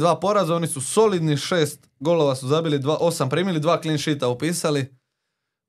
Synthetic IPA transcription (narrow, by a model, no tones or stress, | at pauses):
d̪ʋaːpo̞ɾazao̞nisuso̞lid̪niʃe̞ːst̪ɡo̞loʋasuzabilid̪ʋaʔo̞sampɾiːmilid̪ʋaːklinʃit̪aupiːsali